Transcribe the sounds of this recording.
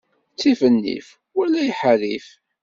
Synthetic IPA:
t͡sːifənːḭf | wælæjħəlif

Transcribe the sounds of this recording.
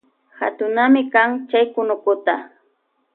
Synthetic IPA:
ha̰t̪ʊnamɪkaŋt͡ʃajkʊnʊkʊt̪a

